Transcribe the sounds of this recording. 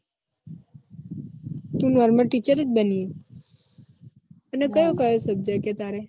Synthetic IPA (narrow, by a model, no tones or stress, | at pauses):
t̪ũnɔɾməɾʈit͡ʃəɾət̪bənije | ənekəjõkəjosəb̚d͡ʒəket̪aɾe